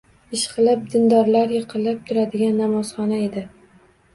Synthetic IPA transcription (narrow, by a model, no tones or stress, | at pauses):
ɪʃqɨlɪp̚d̪ɪnd̪ɒɾlaɾjɨqʰɨlːap̚t̪ʰʊɾad̪ɪɡʲanːamɒzχɒnae̞d̪ɪ